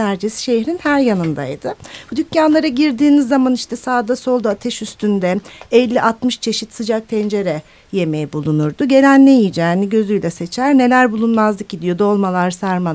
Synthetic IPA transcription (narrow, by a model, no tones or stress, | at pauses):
æɾd͡ʒesi̥ʃe̞jɾinhæɾjanɯnd̪a̰jd̪ɯb̥ud̪ycʰjanlˠaɾaɟiɾd̪iːnizːamaniʃt̪ʰɛsaːd̪aso̞lˠd̪at̪ʰɛʃyst̪ʰynd̪ɛɛlʲːiʔat̪mɯʃt͡ʃʰe̞ʃit̪sɯd͡ʒak̚t̪ʰɛnd͡ʒe̞ɾɛ | je̞mejibulˠunuɾd̪ʊɟe̞lʲænːejijid͡ʒɛːniɟø̞zyjlʲɛse̞t͡ʃʰæɾne̞lʲæɾbulˠunmazlˠɯkid̪ijo̞d̪o̞lˠmalˠaɾsaɾma